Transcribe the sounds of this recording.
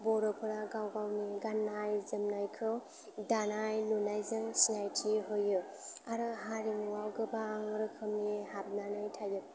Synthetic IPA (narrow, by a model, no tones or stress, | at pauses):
bɔɾɔpʰɯɾaɡawɡawniɡanːajzɯmnajkʰɯ | danajlunajzɯmsinajtʰiɦojɯ | aɾɯɦaɾimuwawɡɯbaŋɯɾɯkʰɯmnihapnanajtʰajɯ